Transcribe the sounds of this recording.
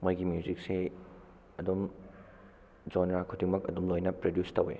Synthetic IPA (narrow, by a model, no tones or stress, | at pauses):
mojɡimjuzik̚se | ɐdum | d͡ʒonɾakʰudiŋmɐk̚ɐ̰dumlojnɐpɾodjustɐwḛ